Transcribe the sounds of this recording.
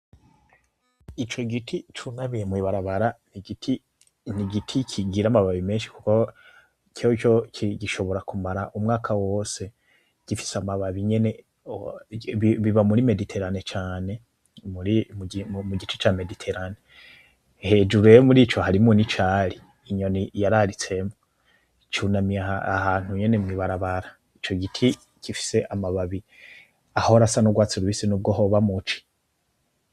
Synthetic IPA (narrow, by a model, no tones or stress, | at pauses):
it͡ʃo̞ɡitʰit͡ʃunaβijemwiβaɾaβaɾanti | niɡitʰikʰiɡiɾamaβaβime̞ːnʃi̥ku̥ko | kʰoit͡ʃo̞kiɟiʃo̞βo̞ɾakumaɾaʔumŋaːkʰawo̞ːse̞ | ɟ̥ifi̥samaβaβiɲe̞ne̞ | ββiβamuɾime̞ditʰe̞ɾane̞t͡ʃaːne̞ | muɾimmuɟit͡ʃi̥t͡ʃaːme̞ditʰe̞ɾane | he̞ːd͡ʒuɾejomuɾiːt͡ʃo̞haɾimonit͡ʃaːɾiː | ɲo̞nijaɾaɾit͡se̞mo | t͡ʃunamiaahaːn̥huɲe̞ne̞mwiːβaɾaβaɾa | it͡ʃo̞ɡitʰi | kifi̥se̞ʔamaβaβi | ahoɾasanoɡwaːt͡siɾuβisinuːb̚ɡoɦoβamut͡ʃi̥